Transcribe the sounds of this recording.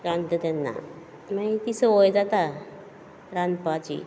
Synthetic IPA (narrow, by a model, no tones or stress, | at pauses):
ɾãnt̪ət̪ɛnːa̰ | mait̪isəojd͡zat̪a | ɾand̪pat͡ɕḭ